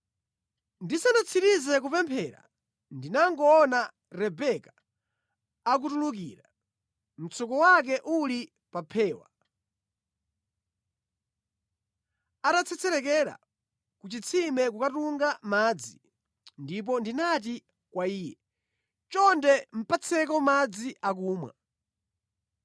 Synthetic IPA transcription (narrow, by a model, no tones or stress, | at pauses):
ndisanat͡sʰiɾizɛk̬upɛmpʰɛɾa̰ | ndinaŋɡɔːna | ɾɛbɛka | ak̬utulukiɾa | m̩t͡sʰɔkɔwak̬ɛʔuli | papʰɛːwa̰ | atat͡sʰɛt͡sʰɛɾɛk̬ɛɾa̰ | kut͡ʃit͡sʰimɛkukatuŋɡamaːd͡zi | ndip̬ɔndinat̬i | kwaiːjɛ | t͡ʃɔndɛm̩pʰat͡sʰɛkɔmad͡ziʔak̬uːmwa̰